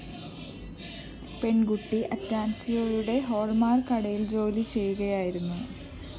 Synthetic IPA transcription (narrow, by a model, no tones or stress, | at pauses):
peɳɡuʈːiʔɐtːaːmsɐjoːɻuɽe̞ɦo̞ːɭmaːrkɐɽɐjild͡ʑo̞ːlit͡ɕe̞jːuɣɐjaːjiɾunːu